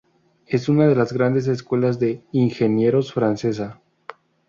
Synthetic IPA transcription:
e̞sunaðe̞lazɣɾand̪es̬es̬kwe̞lazðe̞inxe̞nje̞ɾosfɾanse̞s̬a

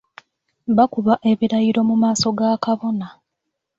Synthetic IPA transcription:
βakuβaʔe̞βiɾajiɾo̞mumaːso̞ɡaːkaβo̞na

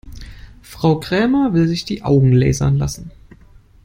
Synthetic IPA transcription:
fʁ̥aʊkʁ̥ɛːmɐvɪlzɪçd̥iːʔa̰ʊɡŋ̩lɛ̰ːzɐ̰nla̰sn̩

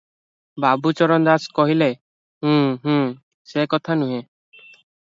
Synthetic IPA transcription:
babut͡ʃɔɾɔnd̪askɔɦile | ɦũɦũ | sekɔt̪ʰanuɦe

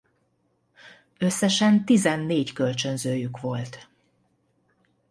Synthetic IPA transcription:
ø̞sːɛʃɛnt̪izɛnːeːckø̞lt͡ʃø̞nzøːjykʋo̞lt̪

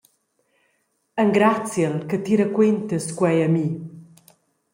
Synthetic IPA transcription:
əŋɡɾat͡sjəlkət̪iɾəkwent̪əskwɛjəmi

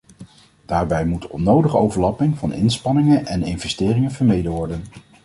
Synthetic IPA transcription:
d̥aːɹbɛjmutɔ̰nowdəχəowvəɹlɑpɪŋvɑnɪ̰nspɑnɪŋənɛnɪnvɛstɪːrɪŋənvəɹmejdəʋɔɹdən

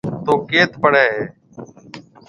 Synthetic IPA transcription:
t̪oːkeːt̪pəɳɛːɦeː

